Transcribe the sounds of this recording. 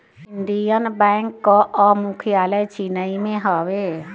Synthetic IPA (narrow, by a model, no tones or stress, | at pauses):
ɪ̃nd̪ijənbɛ̃ːŋkːɔʔɔmʊkʰijaːləjt͡ʃinəimẽɦɔʋe